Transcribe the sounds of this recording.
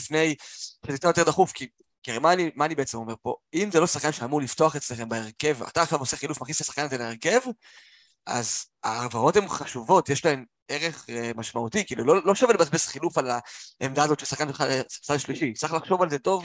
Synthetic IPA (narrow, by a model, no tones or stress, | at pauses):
fne̞jʃetitt͡sajt̪̬ed̪aχufki | kiʁemaːnimaːnibeet͡semo̞me̞ʁpo̞imzelo̞saχkanʃeamuʁlifto̞aχet͡sle̞χe̞mbeeʁke̞va̰t̪aːχʃavoseχilufmaχnist̪asḁχkanazeleeʁke̞v | ʔa̰z | a̰ːvao̞the̞mχaʃuvo̞tjeʃlae̞m | e̞ʁe̞χmaʃmautikiːlulolo̞ʃavelbeasbesχilufalaemdaːzo̞tʃesaχkanʃelχalesadʃliʃit͡saχlaχʃo̞valzeto̞v